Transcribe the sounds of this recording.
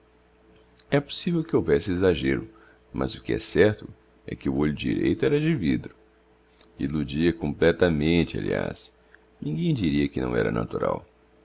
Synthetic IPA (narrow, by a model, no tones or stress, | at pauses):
ɛpo̥sivewkɪowvɛsɪezaʒeɾʊ | mʔɐ̰zʊkɪɛ̰sɛɾt̪ʊ | ɛ̰kɪʊoʎʊd͡ʒḭɾejt̪ʊɛɾɐd͡ʒɪvid̪ɾʊ | ilud͡ʒiɐkõmplɛt̪ɐmẽnt͡ʃɪa̰lḭa̰s | nĩɡẽj̃d͡ʒiɾiɐkɪnɐ̰̃w̃ɛɾɐ̰na̰t̪uɾa̰w